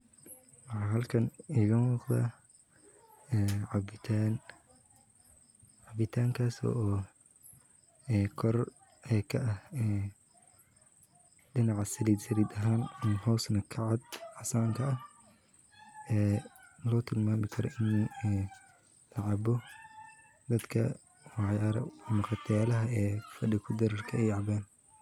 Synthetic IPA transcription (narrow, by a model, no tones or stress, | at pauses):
wɑħɑːɦɐlkʰɐniːɣɐnuːqd̪a̰ː | ɛːʕɑbɪt̪ʰaːn | ʕɑbɪt̪ʰaːŋkʰaːsɔ̰ːʔː | ɛːkʰɔr | ɛːkʰɐʔɐhɛː | ɖɪnɑʕɑsɐliːd̪sɐliːd̪ɐɦaːnmhɔwsnɐkʰɐʕɑd̪ʕɑsaːŋkʰɐɐh | ʔɛːlɔːt̪ʰɪlmaːmɪkʰɐɾɔ̰ʔɪnɛː | lɐʕɑbɔ | d̪ɐd̪kʰɐ̰ | wɑʕjaːɾɐ̰mʊqɑt̪ʰɐjaːlɐɦɐɛːfɐɖɪkʰʊd̪ɐɾɐrkʰɐɛjʕɑbɛːn